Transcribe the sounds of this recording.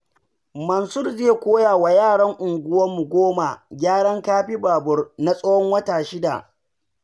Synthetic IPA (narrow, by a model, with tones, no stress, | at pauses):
mɐ˨nsʊ˦rzeː˦˨kʷoː˦jaː˨wa˨jaː˦˨ɽɐ˦ŋʔʊ˨ŋɡʷʊ˦wɐ˦mːu˨ɡʷoː˦ma˨ɡʲaː˦ɽɐ˦ŋkaː˦ɸi˦baː˨bʊ˦rna˦sʼɐ˦wɔ˦ŋwɐ˦taː˨ʃɪ˦da̰˨